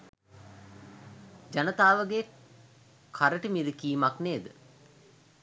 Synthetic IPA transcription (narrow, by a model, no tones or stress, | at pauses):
d͡ʒanət̪aːʋəɡe | kʰaɾəʈəmiɾikiːmakneːd̪ə